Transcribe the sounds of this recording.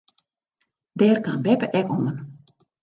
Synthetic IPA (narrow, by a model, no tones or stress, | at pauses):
dɛːrkanbɛpəʔɛkɔmən